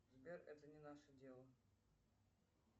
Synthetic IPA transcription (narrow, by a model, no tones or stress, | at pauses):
zbʲerɛt̪ənʲɪnaʂədʲelˠə